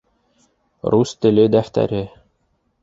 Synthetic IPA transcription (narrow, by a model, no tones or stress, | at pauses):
rust̪ɘ̆lɘd̪æft̪æ̰ɾɘ